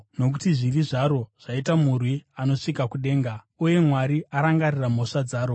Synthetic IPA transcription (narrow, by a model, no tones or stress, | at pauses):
no̞k̬utiʐiriʐaɾo̞ʐ̥aitamurwiano̞ʂikakuɗe̞ːŋɡa | uje̞mwaɾiaɾaŋɡariram̤o̞ʂad͡zaːɾo̞